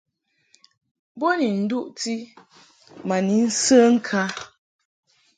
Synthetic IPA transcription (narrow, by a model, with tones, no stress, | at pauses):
bo˦ni˨n̩˨du˦ʔti˦ | ma˨ni˨˦n̩˦sə˦ŋ̩˦kʰa˦